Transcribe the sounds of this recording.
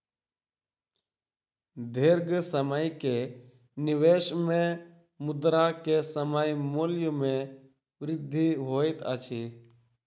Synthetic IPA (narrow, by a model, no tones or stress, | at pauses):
d̪ʱeːɾɡsəməjke | nɪʋeːʃmẽ | mʊd̪ɾakesəmaːjmoːljõmẽ | ʋɾɪd̪ʱːiɦoːɪt̪ət͡ʃʰiː